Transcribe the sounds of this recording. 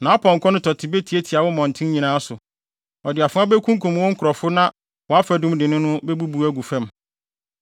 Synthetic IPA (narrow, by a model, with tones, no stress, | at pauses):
nã˨˦pʰɔ̃˨ŋ̩˨kʰɔ˦nʊ̃˦tʰɔ˨tʰɪ˨be˦tʰi˨e˦tʰi˨a˨wʊ˦mɔ̃˨n̩˨tʰɪ̃˦m˦ɲĩ˨nãː˦sʊ˨ | ɔ˨dɪ˨a˨fʊ̃˦a˦bɛ˦kʰũ˦ŋkʰũ˨mwɔ̃˦ŋ̩˦kʰʊ˨ɾɔ˨fʊ˦nã˦ | wɔ˨a˦fæ˨dʊ̃˦mdɪ˨nʊ̃˦nʊ̃˦bɛ˦bu˦bu˨æ˦ɡu˨fɛ̃˦m